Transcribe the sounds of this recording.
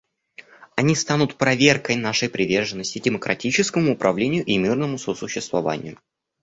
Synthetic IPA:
ɐnʲist̪anʊt̪pɾɐvʲerkəjnaʂəjpɾʲɪvʲe̞rʐɨnːəsʲtʲɪdʲɪməkɾʔɐtʲit͡ɕɪskəmʊːpɾʔɐvlʲenʲɪjʊʔimʲirnəmʊsosʊɕːɪst̪vɐva̰nʲɪ̰jʊ

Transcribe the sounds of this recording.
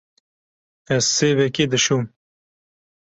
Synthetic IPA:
ɛzseːvekeːd̪ɨʃum

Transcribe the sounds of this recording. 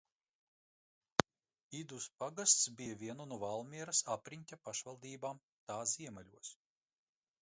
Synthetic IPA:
id̪uspaɡast̪sbʲijavʲiɛnunuvalˠmʲiɛɾasapɾiɲʲt̪ʲapaʃvalˠd̪iːbaːm | t̪aːziɛmalʲuɔs

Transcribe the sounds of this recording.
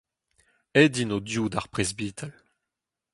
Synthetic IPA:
ɛdinodjudaʁpʁezbiːt̪ʰal

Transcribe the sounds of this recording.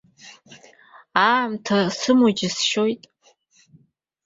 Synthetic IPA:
amtʰasɨmod͡ʒɪsʃojtʼ

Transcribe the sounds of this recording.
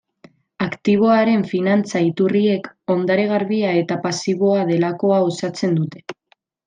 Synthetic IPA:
akt̪iβ̞o̞aɾe̞ɱfinant͡sait̪urie̞ko̞nd̪aɾeɣ̞aɾβiae̞t̪apasiβ̞o̞aðe̞lako̞ao̞sat͡se̞nd̪ut̪e̞̥

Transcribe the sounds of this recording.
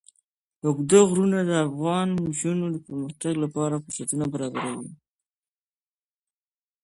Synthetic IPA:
ʊɡd̪əɣɾunad̪əafɣɑnʒunod̪əpəɾməxt̪aɡlapɑɾafʊsat̪unabaɾɑbaɾawi

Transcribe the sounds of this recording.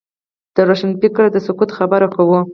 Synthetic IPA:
d̪̥əɾoʃanpɪkɾd̪əsʊkut̪xabəɾakawu

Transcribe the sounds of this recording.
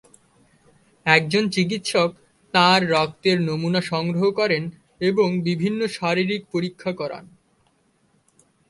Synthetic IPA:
ɛk̚d͡ʑont͡ɕik̬it̪ʃok | t̪ãɾːɔk̚t̪eɾnomunaʃɔŋɡɾoɦokɔɾen | eboŋbibʱinːoʃaɾiɾik̚poɾikʰːakɔɾa̰n

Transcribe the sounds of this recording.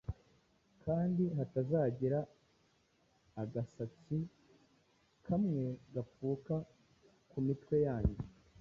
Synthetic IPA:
kaːndiɦatazaːɟiɾa | ɡasat͡si | kʰamŋe̞ɡafuːka | kumitwe̞jaːɲɟe

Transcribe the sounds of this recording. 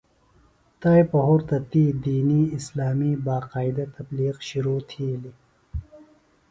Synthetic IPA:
t̪ajpɐɦoːɾt̪ɐt̪iːd̪iːniɪslaːmiːbaːqaːjd̪ɐt̪ɐbliːqʃuɾuːt̪ʰiːli

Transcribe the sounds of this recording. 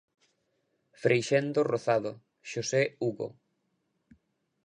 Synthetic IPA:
fɾejʃend̪oroθaðo | ʃoseuɣo̰

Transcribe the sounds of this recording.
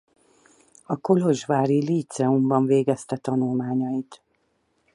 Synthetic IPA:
ɒko̞lo̞ʒvaːɾiliːt̪sɛumbɒɱveːɡɛst̪ɛt̪ɒnulmaːɲɒjit̪

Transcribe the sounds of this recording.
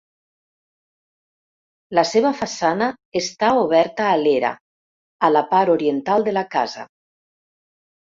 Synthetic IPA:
laseβəfasana | est̪aoβ̞ɛɾt̪aːleɾa̰ | alapaɾoɾient̪alˠd̪əlakaza̰

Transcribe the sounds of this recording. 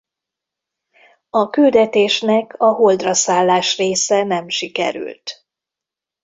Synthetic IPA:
ɒkyld̪ɛt̪eːʃnɛkʰɒɦold̪rɒsaːlːaːʃreːsɛnɛmʃikɛ̰ɾy̰lt̪

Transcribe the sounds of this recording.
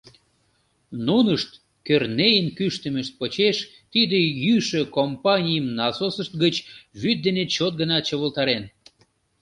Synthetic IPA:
nunəʃt̪ | kørnejənkyʃt̪ə̆məʃt̪̚pot͡ɕeʃ | t̪id̪ejyʃøkompɑnʲijəmnɑsosəʃt̪ɡət͡ɕβyd̪̚d̪enet͡ɕot̪̚ɡənɑt̪̚t͡ɕəβəlt̪ɑɾen

